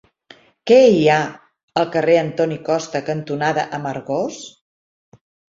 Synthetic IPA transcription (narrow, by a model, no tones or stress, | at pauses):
kɛia | əlˠkəreənt̪ɔnikɔst̪əkənt̪unaðəʔəməɾɣos